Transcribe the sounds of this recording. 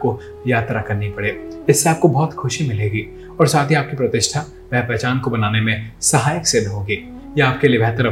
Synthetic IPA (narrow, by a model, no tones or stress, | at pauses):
ko | jaːt̪ɾakɐɾnipɐɽeːɪsːeaːp̚kobɔɦt̪xʊʃimɪleːɡiː | ɔːɾsaːt̪ʰiaːp̚kipɾɐt̪ɪʃt̪ʰa | pɛːpɛːt͡ʃaːnkobɐnaːnemẽsɐɦaːjəkseːd̪ʱɦoːɡiː | jɐaːp̚keliebʱɛɦt̪əɾɐ